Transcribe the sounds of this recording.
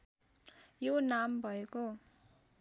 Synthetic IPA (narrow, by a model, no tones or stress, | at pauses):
jonambʱʌeko